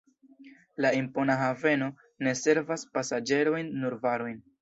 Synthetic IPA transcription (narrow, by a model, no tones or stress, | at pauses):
laimpo̞naɦave̞no̞ | ne̞se̞ɾvaspasad͡ʒe̞ɾo̞jnːuɾvaɾo̞jn